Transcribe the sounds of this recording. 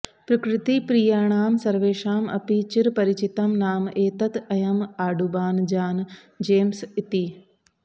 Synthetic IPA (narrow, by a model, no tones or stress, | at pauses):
pɾɐkɾɪt̪ipɾijaːɳ̃aːmsɐɾʋeːʃaːmɐ̰pit͡ʃɪɾpɐɾɪt͡ʃɪt̪ɐmnaːmeːt̪ɐt̪ɐjɐmaːɖubaːnd͡ʒaːn | d͡ʒeːmsɪt̪iː